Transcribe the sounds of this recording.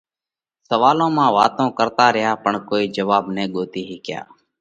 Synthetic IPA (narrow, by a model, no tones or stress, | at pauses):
səʋaːlõːmãːʋaːt̪õːkəɾt̪aːɾɪɦjaːpəɳkoːiːd͡ʒəʋaːbnẽːɠoːt̪iːɦiːkɪja̰ː